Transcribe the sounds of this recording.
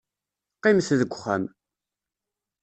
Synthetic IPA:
qːimθðəɡʷχæ̰m

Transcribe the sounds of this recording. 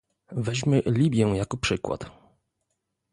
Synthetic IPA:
vɛʑmɘlʲibʲjɛjakɔpʂɘkwa̰t̪

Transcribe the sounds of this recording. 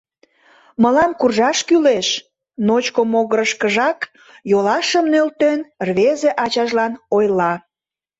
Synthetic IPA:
məlɑmkurʒɑʃkyleʃ | not͡ɕkomoɣəɾəʃkəʒɑk | jolɑʃəmnølt̪enrβezeʔɑt͡ɕɑʒlɑnojlɑ

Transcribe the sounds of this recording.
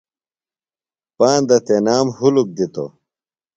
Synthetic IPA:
paːnd̪ɐt̪enaːmhuluk̚d̪it̪o̰

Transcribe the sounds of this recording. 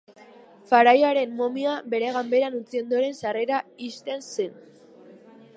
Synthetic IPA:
faɾajaɾe̞mːo̞miabe̞ɾe̞ɣambe̞ɾanut͡sio̞nd̪oɾe̞nsare̞ɾaist̪e̞nsen

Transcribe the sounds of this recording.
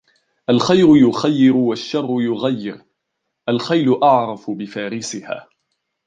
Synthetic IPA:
ʔalxajɾʊjʊxajːɪɾʊwaʃːɑrˤːʊjʊɣajːɪɾ | ʔalxajlʊʔɑʕɾˤɑfʊbɪfaːɾɪsɪha̰ː

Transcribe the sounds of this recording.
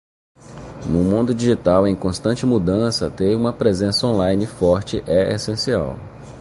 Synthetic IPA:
nʊmũnd̪ʊd͡ʒiʒit̪awẽj̃kõst̪ɐ̃nt͡ʃɪmud̪ɐ̃sɐ̰t̪ejũmɐpɾezẽsɐõlajnɪfɔɾt͡ʃɪʔɛʔesẽsia̰w

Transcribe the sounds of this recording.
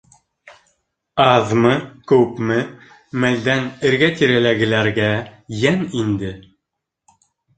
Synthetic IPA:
ɑðmɤkɵ̆pmɘ | mæld̪ænɘ̆ɾɡæt̪iɾælæɡɘ̆læɾɡæjænind̪ɘ

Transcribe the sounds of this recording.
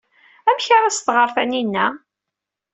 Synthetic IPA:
æmçaɾˤæsθʁəɾˤθæninːæ

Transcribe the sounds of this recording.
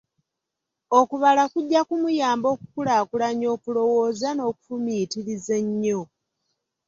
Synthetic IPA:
okuβalakuɟːakumujaːmbo̞ːkukulakulaɲo̞ːkulo̞wo̞ːzano̞ːku̥fumitiɾizeɲːo

